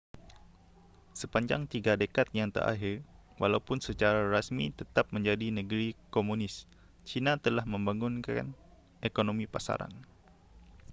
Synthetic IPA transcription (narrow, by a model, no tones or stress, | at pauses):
səpaɲd͡ʒaŋt̪iɡadəkat̪̚jaŋt̪ə̰ɾʔa̰ɦirwʔalaupʊnsət͡ʃaɾaɾasmit̪ət̪ap̚məɲd͡ʒadinəɡəɾikomunɪs | t͡ʃinat̪əlahməmbaŋʊnka̰n | ʔekonomipasa̰ɾa̰n